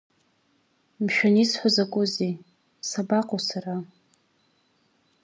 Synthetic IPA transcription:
mʃᶣanisħʷazakʷʼʊzi | sabaqʼosara

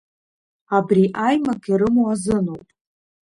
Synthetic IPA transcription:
abriʔajmakʲʰʼiɾɨmuazɨnowpʼ

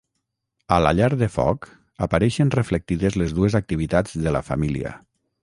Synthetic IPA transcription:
əla̰ʎaɾðəfɔ̰k | əpaɾɛʃənrəflek̚t̪iðəzlezðuezak̚t̪iβ̞it̪ad͡zðələfa̰milḭə̰

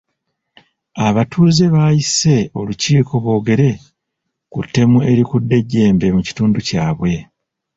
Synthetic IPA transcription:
aβatʰuːze̞βajise̞o̞luciːko̞βo̞ːɡe̞ɾe̞ | kutːe̞mue̞ɾikudːe̞ɟːe̞ːmbe̞muci̥tuːnducaːβwe̞

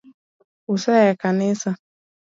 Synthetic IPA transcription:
usajakanɪsa

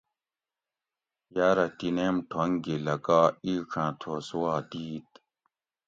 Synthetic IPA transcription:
jaɾɐt̪inemʈʰoŋɡilɐkaːiːʈ͡ʂʰãːt̪ʰoːsuwaːd̪iːt̪̚

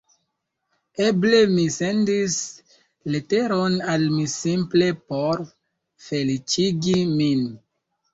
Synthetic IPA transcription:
e̞ble̞mise̞ndis | lete̞ɾonalmisimple̞poɾ | fe̞lit͡ʃiɡimin

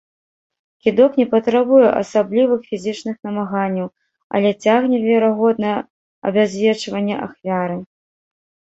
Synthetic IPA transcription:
kʲid̪ɔknʲɛpɐt̪ɾabujɛʔɐ̰sablʲivɨxfʲizʲit͡ʂnɨxnɐmaɣanʲːɐw | ɐ̰lʲɛt͡sʲaɣnʲɛvʲɛɾaɣɔd̪̚nɐjɛ | ɐ̰bʲazʲvʲɛt͡ʂvɐnʲːɛʔa̰xvʲaɾɨ

